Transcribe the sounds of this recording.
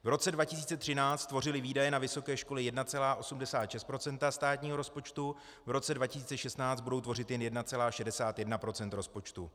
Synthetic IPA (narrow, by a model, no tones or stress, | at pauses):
vɾo̞t͡sɛdvacɪsiːt͡sɛt̪r̥ɪnaːt͡st̪vo̞rɪlɪviːdajɛnavɪso̞kɛːʃko̞lɛɪjɛdnat͡sɛlaːʔo̞sumdɛsaːt̪ʃɛst̪pɾo̞t͡sɛnt̪ast̪aːt̪ɲiːɦoɾo̞spo̞t͡ʃt̪u | vɾo̞t͡sɛdvacɪsiːt͡sɛʃɛst̪naːt͡st̪budo̞wt̪vo̞rɪt̪jɛnjɛdnat͡sɛlaːʃɛdɛsaːt̪jɛdnapɾo̞t͡sɛnt̪ɾo̞spo̞t͡ʃt̪u